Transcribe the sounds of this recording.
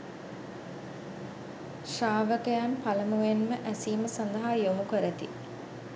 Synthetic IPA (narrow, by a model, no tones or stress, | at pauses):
ʃaːʋəkəjanpaləmuenməʔæsiːməsand̪əɦaːjomukəɾət̪ḭ